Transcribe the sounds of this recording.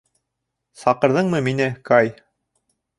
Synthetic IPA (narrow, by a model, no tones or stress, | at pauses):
sɑqɤ̆ɾðɤɴmɤminɘkɑj